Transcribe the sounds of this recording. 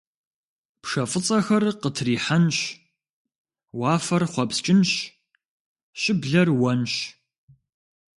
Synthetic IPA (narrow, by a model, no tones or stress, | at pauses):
pʂɐfʼɨt͡sʼɐxɐrqətʰriːħanɕ | waːfɐrχʷɔpst͡ʃʼɪnɕ | ɕʼɪbɮɐrwɐnɕ